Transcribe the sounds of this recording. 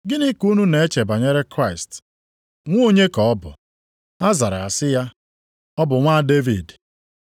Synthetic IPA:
ɡɪ˦ni˦ku˦nu˦ne˨e˦t͡ʃe˨ba˨ɲe˦ɾe˦kɾa˦˨ɪ˨st | ŋʷ˦o˦ɲe˦kɔ˨ɔ˦bʊ̰˨ | a˦za˨ɾa˨a˨sɪ˦ja˦ | ɔ˦bʊ˨ŋʷa˦de˦vi˨d

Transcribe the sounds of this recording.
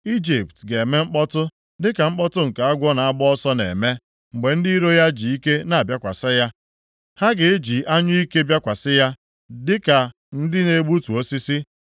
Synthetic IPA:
i˦d͡ʒi˨p̚tɡe˨me˦ŋ͡m̩˦k͡pɔ˦tʊ˦ | dɪ˦ka˨ŋ͡m̩˦k͡pɔ˦tʊ˦ŋ̩˨ka˨a˦ɡʷɔ˦na˨a˦bɔ˦ɔ˦sɔ˦nḛ˨me˦ | ŋ͡m̩˨ɡ͡be˨n̩˦di˦i˦ɾo˦ja˦d͡ʒi˨i˦ke˦na˨a˨bja˦kʷa̰˨sɪ˦ja˦ | ha˦ɡɪ˨˦d͡ʒi˨ʔa˦ɲʊ˦i˦ke˦bja˦kʷa˨sɪ˦ja˦ | dɪ˦ka˨ | n̩˦dɪ˦ne˦ɡ͡bu˦tu˨o˦si˦si˦

